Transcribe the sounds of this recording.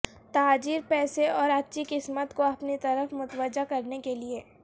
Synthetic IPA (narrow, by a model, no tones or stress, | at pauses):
t̪aaːd͡ʒiːɾpɛːseɔːɾɐtːʃikɪsmət̪koɐpnit̪ɐɾəfmʊt̪wəd͡ʒakɐɾnekelie